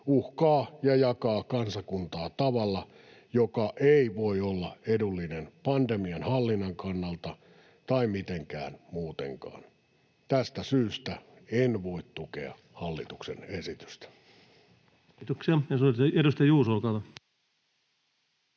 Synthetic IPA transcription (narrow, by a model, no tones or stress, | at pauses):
uhkɑːjɑjɑkɑːkɑnsɑkunt̪ɑːt̪ɑʋɑlːɑ | jokɑʔeiʋoiolːɑedulːinenpɑnd̪emiɑnhɑlːinːɑŋkɑnːɑlt̪ɑ | t̪ɑimit̪eŋkæ̰ːnmuːt̪ḛŋkɑ̰ːn | t̪æst̪æsyːst̪æ | enʋo̞it̪t̪ukḛɑ̰ | hɑlːḭt̪uksḛnesit̪y̥st̪æ̥ | t̪uksiɑjɑsueɾust̪ɑjɑjuːsolkɑˑt̪ɑ